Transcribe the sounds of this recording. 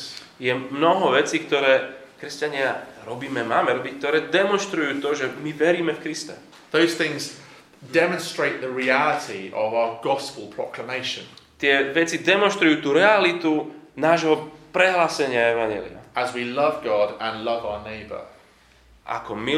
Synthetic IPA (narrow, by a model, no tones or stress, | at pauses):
jɛmnɔɦɔʋɛt͡siːkt̪ɔɾɛːkɾɛscaɲɪaɾɔbiːmɛmaːmɛɾɔbickt̪ɔɾɛːd̪ɛmɔnʃt̪ɾujuːt̪ɔʒɛmiʋɛɾiːmɛfkɾist̪ɛ̰ | ðəʊz̥θɪ̃ŋz | dɛmə̃nstɹ̥eɪʔðəɹialətʰiə̰vaʊəɡɒspəlˠpʰɹ̥ɒ̰kʰləmeɪʃə̃nt̪ɪɛʋɛt͡sid̪ɛmɔ̃nʃt̪ɾujuːt̪uːɾɛalit̪unaːʒɦɔpɾɛɦlaːsɛɲɪaɛʋaɲjɛ̰lḭa̰ʔəzwilʌvɡɔdə̃nlʌvaʊəneɪbə̰ | ʔa̰kɔmi